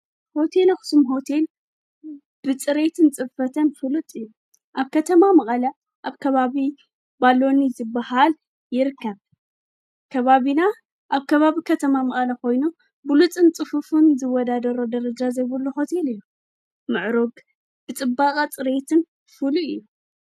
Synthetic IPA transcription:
ho̞t̪ʰe̞lxɨ̥sumɦo̞t̪ʰe̞l | b̥ɨt͡sʼɨɾet̪ʰɨnt͡sʼɨbfɐt̪ʰɐnfɨlɨt̪ʼɨjːu | ʔaβkʰɐt̪ʰɐmamɐkʼɐlɐ | ʔaβkʰɐβaβi | balːo̞nizɨbːahal | jɪɾɨkːɐβ | kʰɐβaβina | ʔaβkʰɐβaβikʰɐt̪ʰɐmamɐχʼɐlɐko̞jnu | bɨlut͡sʼɨnt͡sʼɨfufunzɨwɔd̪ad̪ɐɾod̪ɐɾɐd͡ʒazɐjβɨlːuho̞t̪ʰe̞lɨjːu | mɨʕɾoɡ | b̥ɨt͡sʼɨbːakʼat͡sʼɨɾe̞t̪ʰɨn | fɨluʔɨjːu

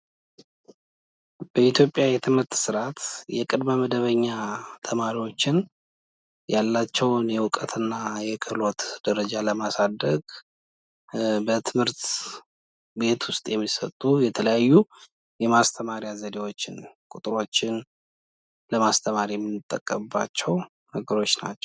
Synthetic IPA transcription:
b̥əit̪ʰjo̞pʼːjajɛt̪ʰɨmhɨɾt̪sɨɾat̪jɛkʼɨd̪məməd̪əβəɲːat̪ʰəmaɾiwo̞t͡ʃːɪn | jalːat͡ʃːɛwnjɛwʊkʼət̪ʰɨnːajɛkʰɨlo̞t̪d̪̥əɾəd͡ʒaləmasad̪ːəɡ | bət̪ʰɨmhɨɾt̪ | be̞t̪wʊst̪ʼjɛmːisə̰t̪ʼːujɛt̪ʰələjajːu | jɛmast̪ʰəmaɾijazəd̪ewo̞t͡ʃːɪnkʼut̪ʼɾo̞t͡ʃːɪn | ləmast̪ʰəmaɾijɛmːɨnːɨt̪ʼːəkʼːəmbːat͡ʃːɛw | nəɡəɾo̞t͡ʃːna̰t͡ʃːɛ̥w

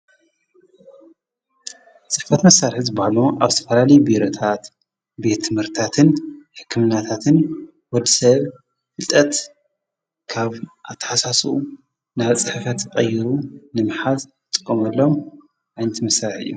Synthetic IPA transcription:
t͡sʼɨħfɐt̪mɐsːaɾħzɨbahluʔaβɨt̪ʰɐfɐlalɐjbiɾot̪ʰat̪ | be̞t̪ʰːɨmhɨɾt̪ʰat̪ʰɨnħɨ̥kʰːɨmɨnat̪ʰat̪ʰɨn | wɔd̪isɐβ | fɨlt̪ʼɐt̪ | kʰaβʔat̪ʰːɐ̥ħasasuʔu | naβt͡sʼɨħfɐt̪qʼɐjiɾunɨmɨħal | ɨt̪ʼɨ̥kʼːomɐlːo̞m | ʕajnɐt̪mɐsːaɾħɨ̰jːu

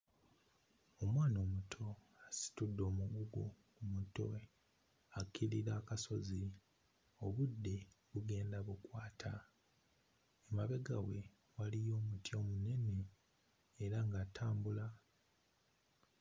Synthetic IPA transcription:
o̞mwaːno̞ːmutʰo̞ | asi̥tudːo̞ːmuɡuɡu | umuto̞̰ | akːiliɾaːkaso̞zi | o̞βudːe̞βuɡe̞ːndaβukwaːtʰa | emaβe̞ɡawe̞ | walijo̞ːmutjo̞ːmune̞ne̞ː | ɾaŋɡatʰaːmbula

